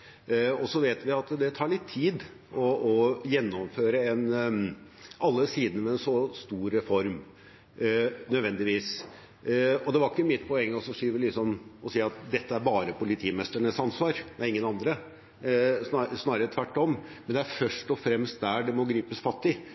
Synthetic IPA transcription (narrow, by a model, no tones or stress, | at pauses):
ɔsɔʋeːt̪ʋɪɑt̪d̪ɛt̪ʰɑːɭɪt̪ʰːiːd̪ | ʔɔɔjɛnːɔmføːɾəɛn | ʔɑlːəsiːd̪ənəmɛɛnsɔst̪uːɾɛfɔɾm | nœd̪ʋɛnd̪ɪʋiːs | ɔd̪ɛʋɑɾɪkːəmɪt̪ːpʰɔɛŋːəɔsɔʂiːʋəlɪsɔmɔsiːɑt̪d̪ɛt̪ːəæɾbɑːɾəpʊlɪt̪ʰiːmɛst̪əɳəsɑnsʋɑːɾmɛɪŋːənɑnd̪ɾə | ssnɑːɾəɾət̪ʰʋæʈːɔmmɛnd̪ɛæɾfœʂʈɔfɾɛmst̪̚d̪æɖɛmɔɡɾiːpəsfɑt̪ːɪ